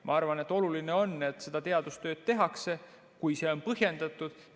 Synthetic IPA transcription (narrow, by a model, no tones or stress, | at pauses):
mʔɑ̰ɑrvɑne̞t̪ːˑo̞lulineo̞nːet̪ːse̞d̪̥ɑt̪e̞ɑd̪̥ust̪ø̞ːd̪̥̚t̪e̞ɦɑkse̞ | kujse̞ːo̞npɤɦje̞nd̪̥ɑt̪ːˑud̪̥